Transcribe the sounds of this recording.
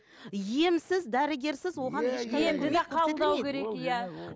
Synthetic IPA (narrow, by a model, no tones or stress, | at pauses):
jemsɪzd̪æɾɪɡʲe̞ɾsɪzwo̞ʁɑneʃeemd̪ɪeqʰɑb̪ˠd̪ɑwekʲʰe̞ɾekjæ